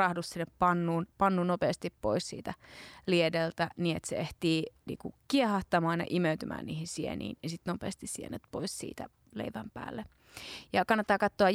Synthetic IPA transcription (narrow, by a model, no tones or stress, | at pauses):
ɑhdussinːeppɑnːuːnpɑnːunopeːst̪ippo̰issḭːt̪æliedelt̪æniːet̪seeht̪iːnḭːŋkṵkiehɑht̪ɑmɑːnjɑ̰ʔimeyt̪ymʔæ̰ːnnḭːhisiḛnḭːnjɑsit̪nopḛːst̪issiḛnḛt̪po̰issḭːt̪æ̰ | lḛiʋæmpæ̰ːlːe | jɑkɑnːɑt̪ːɑːkɑt̪ːoɑ